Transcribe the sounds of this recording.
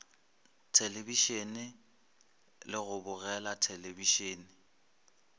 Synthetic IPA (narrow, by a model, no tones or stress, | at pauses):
tʰelebiʃenɪ | lɪɣʊbʊɣɛlatʰelebiʃeːnɪ